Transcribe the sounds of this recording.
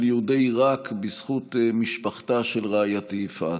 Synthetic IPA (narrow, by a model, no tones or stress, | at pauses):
ljeud̪ejʁakbisχutmiʃpaχtaʃelʁeajat̪efa̰